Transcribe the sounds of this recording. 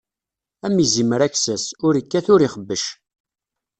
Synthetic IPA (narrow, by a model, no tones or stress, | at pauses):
æmiziməɾæksæsʊɾəkːæθʊɾiχəbːəʃ